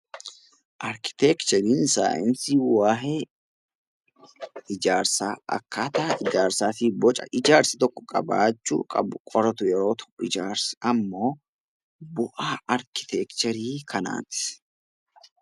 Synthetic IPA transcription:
ʔɐɾkɪ̥t̪ɛkt͡ʃɛɾiːnsa̰ːʔɪnsiːwaːɦe | ɪd͡ʒaːɾsaːɐ̰kːaːt̪aːʔɪd͡ʒaːɾsaːfiːbɔt͡ʃʼɐ̰ʔɪd͡ʒaːɾsɪt̪ɔkːɔ̥kʼɐ̰ba̰ːt͡ʃːṵːkʼɐbʊkʼɔɾɐt̪ʊjɛɾo̞ːt̪ʰɔ̥ɪd͡ʒaːɾsɐmːo̞ː | bʊʔaːɐɾkɪ̥t̪ɛkt͡ʃɛɾiːkʰɐna̰ːt̪ɪ̥

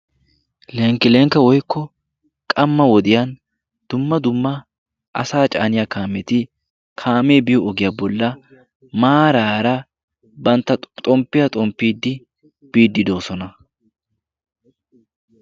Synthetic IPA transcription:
lɛŋkːɪlɛŋkːɐwɔjkʰːɔ | kʼɐmːɐwɔd̪ɪjɐn | d̪̥ʊmːɐd̪ʊmːɐ | ʔɐ̰saːt͡ʃʼa̰ːnɪjaːkaːmɛt̪ɪ | kʰaːmeːbɪjɔɔɡɪjaːbɔlːɐ | maːɾaːɾɐ | bɐnt̪ːɐt̪ʼɔmpːɪjɐt̪ʼɔmpːiːd̪ːɪ | b̥iːd̪ːɪd̪o̞ːsɔnɐ

